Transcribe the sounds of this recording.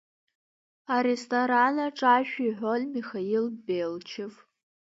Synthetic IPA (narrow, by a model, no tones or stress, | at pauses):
aɾestʰʼoɾanaʈ͡ʂʼaʃᶣiħʷolʲmixailbelt͡ʃʰev